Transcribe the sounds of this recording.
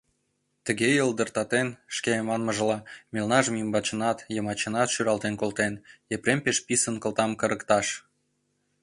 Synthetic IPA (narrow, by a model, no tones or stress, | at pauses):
t̪əɣejəld̪ərt̪ɑt̪enʃkemɑnməʒə̆lɑmelnɑʒəmimbɑt͡ɕənɑt̪jəmɑt͡ɕənɑt̪ʃyɾɑlt̪enkolt̪enepɾempeʃpisənkə̆lt̪ɑmkəɾəkt̪ɑʃ